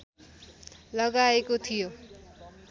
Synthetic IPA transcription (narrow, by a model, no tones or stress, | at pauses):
lʌɡaekot̪ʰijo